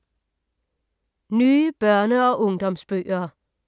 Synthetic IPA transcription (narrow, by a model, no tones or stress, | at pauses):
nyːəb̥ɶɐnəɒ̽ʔɔ̽ŋd̥ɒ̽msb̥ø̰ːɐː